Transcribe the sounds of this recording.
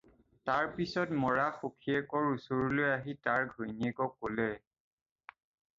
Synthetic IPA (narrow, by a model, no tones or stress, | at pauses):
taɹpisɔtmɔɹaxukʰiɛkɔɹusoɹlojaɦitaɹɡʱojniɛkɔkːolɛ